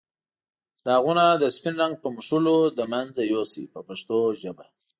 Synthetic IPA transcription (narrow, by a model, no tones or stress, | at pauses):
d̪̥əaɣunad̪əspinɾaŋɡ̚pəmʊʃulod̪əmanzajosḭpəpaʂt̪oʒəba